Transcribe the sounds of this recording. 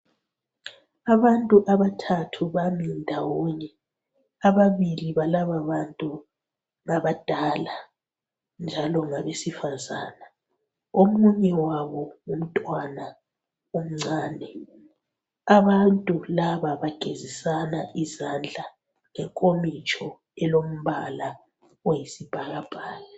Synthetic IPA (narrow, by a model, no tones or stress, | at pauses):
aβantʼuʔaβatʰatʰuβamindʱawɔɲɛ | aβaβiliβalaβaβantʼu | ŋaβad̥ʱala | nd͡ʒʱalɔŋaβesifazaːna | omuɲɛwaβɔŋum̩tʼwana | om̩ŋ͡ǀaːnɛ | aβantʼulaβaβaɡ̥ʱezisanaʔizand͡ɮʱa | ŋɛŋkʼomit͡ʃʼʰɔ | ɛlom̩βala | ojisib̥ʱaɣab̥ʱaːjɔ